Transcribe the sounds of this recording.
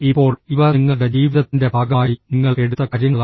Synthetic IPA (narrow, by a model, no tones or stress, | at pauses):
ipːo̞ːɭiʋɐiŋːɐɭɽed͡ʑiːʋiðɐt̪ːinde̞bʱaːɡɐaːjiniŋːɐɭeɽut̪ːɐkɐɾiŋːɐɭ